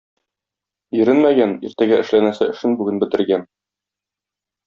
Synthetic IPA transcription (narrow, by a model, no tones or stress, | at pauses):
jɵ̆ɾɘnmæɡæniɾt̪æɡæʔɘ̆ʃlænæsɘɘ̆ʃɘnbʉɡɘnbɘ̆t̪ɘ̆ɾɡæn